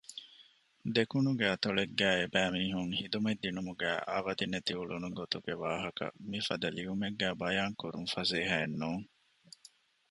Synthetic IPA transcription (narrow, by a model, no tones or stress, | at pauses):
d̪ekunuɡæːt̪oɭeɡːæːebæːmiːɦuŋhid̪umed̪ːinumuɡæːʔa̰ːʋɐd̪inet̪iuɭunuɡot̪uɡeʋaːɦɐkɐ̰mifɐ̰d̪ɐliʋumeɡːæːbɐjaːŋkuɾunfɐzeːɦɐenːuːŋ